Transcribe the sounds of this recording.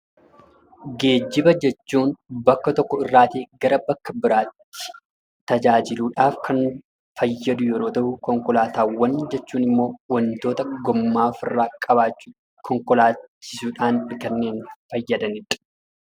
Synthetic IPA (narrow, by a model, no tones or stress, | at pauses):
ɡe̞ːd͡ʒːɪbɐd͡ʒɛt͡ʃːuːnbɐkːɐt̪ɔkːɔɪrːaːt̪eːɡɐɾɐbɐkːɐbɪɾaːt̪ːɪ̥ | t̪ɐd͡ʒaːd͡ʒɪluːᶑaːfkʰɐn | fɐjːɐd̪ʊjɛɾoːt̪ɐhʊkɔŋkɔlaːt̪aːwɐnd͡ʒɛt͡ʃːuːnɪmːo̞ːwɐnt̪o̞ːt̪ɐɡɔmːaːfɪrːaːkʼɐbaːt͡ʃːu | kʰɔŋkɔlaːt͡ʃːɪ̥suᶑaːnɪkɐnːeːnfɐjːɐd̪ɐnɪᶑɐ̥